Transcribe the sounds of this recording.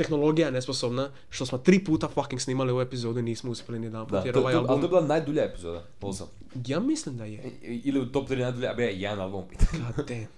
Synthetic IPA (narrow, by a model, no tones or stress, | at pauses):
t̪exnolˠo̞ɡijajenesposobna | ʃt̪osmot̪ɾiːpuːt̪afakiŋksniːmaliuoepizoːd̪uiniːsmouspʲjelinid̪aːnp̪ajeɾʋajoalalit̪oebilˠanajd̪uʎaepizoːd̪a̰ | osa̰m | jaːmislimd̪ajeiliut̪opt̪ɾiːnajd̪uʎabijajɛd̪analˠbompi̥ːt̪ʰaɲat̪e